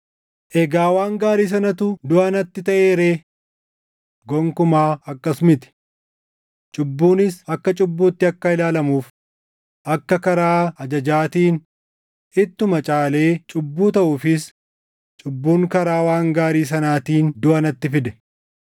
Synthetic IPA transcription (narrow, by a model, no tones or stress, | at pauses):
ʔɛɡaːwaːŋɡaːɾiːs̬ɐnɐt̪ʊd̪ʊʔɐnɐt̪ːɪt̪ɐʔe̞ːɾeː | ɡɔŋkʊmaːɐkːɐsmɪt̪ɪ̥ | t͡ʃʼʊbːuːnɪsɐkːɐt͡ʃʼʊbːuːt̪ːɪɐkːɐɪlaːlɐmuːf | ʔɐkːɐkɐɾaːɐd͡ʒɐd͡ʒaːt̪iːn | ɪt̪ːʊmɐt͡ʃʼaːle̞ːt͡ʃʼʊbːuːt̪ɐʔuːfɪs | t͡ʃʼʊbːuːŋkɐɾaːwaːŋɡaːɾiːs̬ɐnaːt̪iːnd̪ʊɐnɐt̪ːɪfɪd̪ɛ